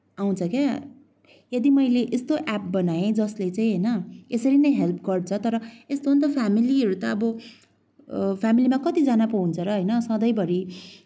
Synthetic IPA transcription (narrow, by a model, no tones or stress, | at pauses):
aw̃t͡sʰʌkja | jʌd̪imʌjleʔest̪oʔap̚bʌnajẽd͡zʌslet͡saĩɦʌjnʌesʌɾinʌjɦelp̚ʰɡʌrt͡sʰʌt̪ʌɾʌest̪ount̪ʌpʰamiliʌɾut̪ʌːbʌ | pʰamilimakʌt̪id͡zanapʌũnt͡sʰʌɾʌɦʌjnʌsʌ̃d̪ʌjbʌɾi